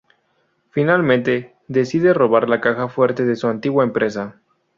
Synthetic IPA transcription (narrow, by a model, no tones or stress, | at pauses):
finalmẽnt̪e̞ | ðe̞siðe̞ro̞βaɾlakaxafwe̞ɾt̪e̞ðe̞suant̪iɣwaempɾʔe̞s̬a